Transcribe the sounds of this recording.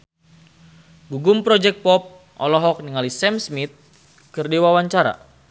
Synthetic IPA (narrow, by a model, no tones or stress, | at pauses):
ɡuɡumpɾɔd͡ʒɛk̚t̪̚pɔp̚ | ʔɔ̰lɔɦɔk̚niŋalisɛmsmit̪̚ | kɨrdiwawaɲt͡ʃaɾa̰